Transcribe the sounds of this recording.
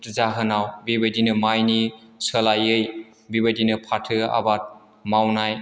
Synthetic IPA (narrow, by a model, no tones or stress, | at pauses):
tzaɦɯnawbibɯdinɯmajnisəlajɯj | bibədinɯpʰatʰɯa̰bat̚ | mawnaj